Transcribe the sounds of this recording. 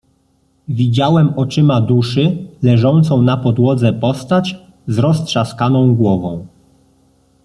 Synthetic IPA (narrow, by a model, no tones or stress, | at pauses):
vʲid͡ʑawɛmɔt͡ʂɘmad̪uʂɘlɛʐɔnt̪sɔ̃w̃napɔd̪wɔd̪zɛpɔst̪at͡ɕ | zɾɔstʂaskanɔ̃w̃ɡwɔvɔ̃w̃